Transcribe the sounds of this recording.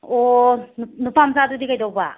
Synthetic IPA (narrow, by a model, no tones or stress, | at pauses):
ɔnnupamsadudikajdawba